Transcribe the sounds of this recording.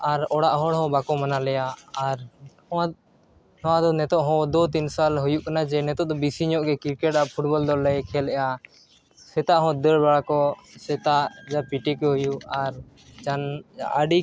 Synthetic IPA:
aɾɔɽaʔɦɔɽɦɔ̃bakɔmanalɛjaːɾhɔ̃a | nɔwad̪ɔnɛt̪ɔʔɦɔ̃d̪ɔt̪insalɦujuʔkanad͡ʒɛnɛt̪ɔʔd̪ɔbisiɲɔʔɡɛkiɾkɛʈ̚apʰuʈbɔld̪ɔlːɛkʰɛlɛja | sɛt̪aʔɦɔ̃d̪əɽbaɽakɔsɛt̪aʔd͡ʒapiʈikɛɦujuaɾ | d͡ʒanə̰ɖi

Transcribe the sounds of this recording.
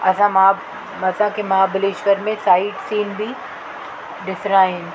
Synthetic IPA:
ɐsãm | mɐsãkemɐɦaːbɪleːʃʋəɾmẽsaːɪʈsiːnbʱi | ɖɪfɾaːɪ̃n

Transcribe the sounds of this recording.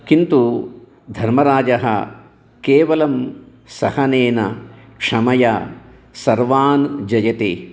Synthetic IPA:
kint̪u | d̪ʱɐɾmɐɾaːd͡ʒɐɦɐ̰ | keːʋɐlɐm | sɐhɐneːnɐkʂɐmɐjɐ | sɐɾʋaːnd͡ʒɐjɐt̪e

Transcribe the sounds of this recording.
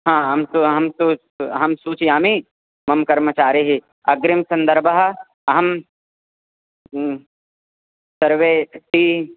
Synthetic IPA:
ɦãːɦɐmsuɦɐmsuː | ɦɐmsuːt͡ʃjaːmiː | mɐmkɐɾmət͡ʃaːɾiɦi | ɐɡɾɪmsɐ̃nd̪ɐɾbʱɐɦ̆ | ɐɦɐm | sɐɾʋeːt̪iː

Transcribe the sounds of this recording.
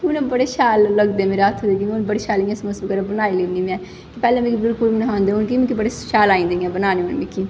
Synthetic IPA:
kʊnẽbəɽeːʃaːlːəɡd̪emeːɾat̪ʰod̪eːkiʊnbəɽeːʃaːliɛ̃ːsməsbkəɾɛbənaːileniːmɛ̃ː | kipɛːlẽːmĩkibɪlkʊlmnɦãːnd̪eːʊnkimĩkibəɽeʃaːlaːĩːnd̪eɛ̃ːbənaːnẽonmĩkʰiː

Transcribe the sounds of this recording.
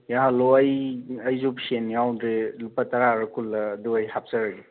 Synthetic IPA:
jaɦaloɐjɐjzupsenjawdɾelupataɾaɾɯkʰulːɐːduɐjhap̚saɾaɡe

